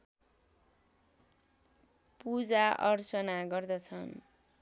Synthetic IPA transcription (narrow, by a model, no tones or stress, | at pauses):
pud͡zaʌrsʌnaɡʌrd̪ʌt͡sʰʌn